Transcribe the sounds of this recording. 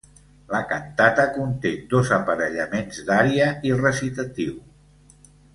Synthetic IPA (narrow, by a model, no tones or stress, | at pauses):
ləkant̪at̪əkunt̪ed̪ozəpəɾəʎəmenzd̪aɾiəirəsit̪at̪iw